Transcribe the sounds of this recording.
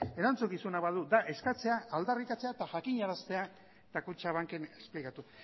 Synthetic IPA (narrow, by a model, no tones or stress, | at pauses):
e̞ɾant͡sukisunaβaðud̪aʔe̞skat͡se̞aʔːld̪arikat͡se̞at̪aʝakiɲaɾast̪e̞a | t̪akut͡ʃaβ̞aŋkene̞splikat̪u